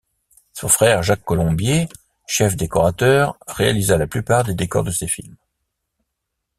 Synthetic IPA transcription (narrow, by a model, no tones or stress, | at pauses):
sɔ̃fχɛʁʒakːɔlɔ̃bje | ʃɛfd̪ekɔʁat̪œʁːea̰lizalaplypaʁd̪ed̪ekɔ̰ʁd̪əsefilm